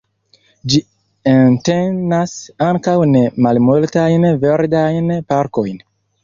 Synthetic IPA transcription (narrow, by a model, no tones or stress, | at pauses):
d͡ʒi | entendasaŋkawnemalmultajnveɾdajnpaɾkojn